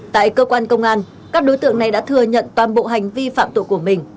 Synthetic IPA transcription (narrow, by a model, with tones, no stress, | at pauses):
t̪a̰ː˧˨jkəː˧kwaː˧nkə˧wŋ͡mʔaː˧n | kaː˦˥k̚ɗo˨˦jt̪ɨ̰˧˨əŋna˨˩jɗa̰ː˧˥t̪ʰɨ˨˩əɲə̰˧˨nt̪waː˨˩nɓo̰˧˨ɦa˨˩jŋ̟vi˧fa̰ː˧˨mt̪ṵ˧˨ku˧˩əmï˨˩ŋ̟